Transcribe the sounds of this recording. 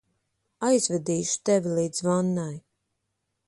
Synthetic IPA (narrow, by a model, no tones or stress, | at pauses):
ajzvɛd̪iːʃu̥t̪ɛvʲilˠiːd̪zvanːaj